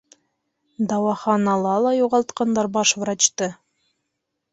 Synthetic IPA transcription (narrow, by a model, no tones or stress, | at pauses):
d̪ɑwɑχɑnɑlˠɑlˠɑjuʁɑlˠt̪qɑnd̪ɑɾbɑʃvɾɑt͡ɕt̪ɤ